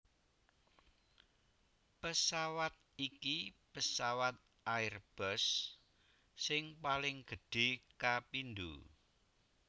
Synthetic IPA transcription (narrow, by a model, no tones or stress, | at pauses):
pəsawat̪̚ikipəsawat̪̚ | aɪrb̥əs | ɪŋpalɪŋɡ̥ə̤ɖ̥e̤kapind̪ṵ